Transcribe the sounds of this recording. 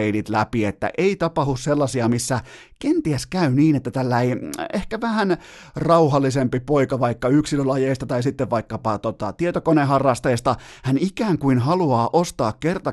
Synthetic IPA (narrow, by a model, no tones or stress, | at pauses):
einit̪læ̰piet̪ːæ̰ʔeit̪ɑpɑhusselːɑsiɑmisːæ | kent̪iæskæyniːnet̪ːæt̪ælːæiehkæʋæhænrɑuhɑlːisempipoikɑʋɑikːɑyksilølɑjeist̪ɑt̪ɑisit̪ːeʋʋɑikːɑpɑt̪ot̪ɑt̪iet̪okonehɑrːɑst̪eːst̪ɑhænikæːŋkuinhɑluɑːʔost̪ɑːkkert̪ɑ